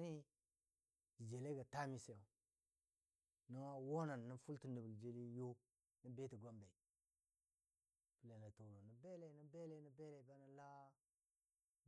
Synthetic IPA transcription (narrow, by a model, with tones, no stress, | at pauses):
ni˦˨ | d͡ʒe˨le˦ɡa˨ta˦mi˨se˨o˨ | nə˦ŋa˦wo˦na˨nːə˦fu˦lti˦ni˨bld͡ʒe˦li˦jo˦ | nə˦be˦ti˨ɡʷa˦mbe˨i˨ | fu˨le˨na˨to˨ɾo˨nə˨be˦le˨ni˨be˦le˨˦ni˨be˦le˨ba˦nə˨˦la˦